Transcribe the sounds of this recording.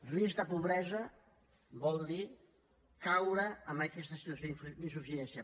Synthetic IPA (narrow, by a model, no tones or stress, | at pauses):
rizd̪əpuβɾɛzə | bɔlˠd̪i | kawɾəːmbəkɛst̪ɐsit̪wɐsjoifinsufisɛnsja